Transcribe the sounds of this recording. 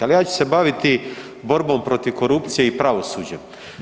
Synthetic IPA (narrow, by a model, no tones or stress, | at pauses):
alijaːt͡ɕu̥se̞baʋit̪i | bo̞ɾbo̞mpɾo̞t̪iʋko̞ɾupt̪sije̞ipɾaʋo̞suːd͡ʑḛ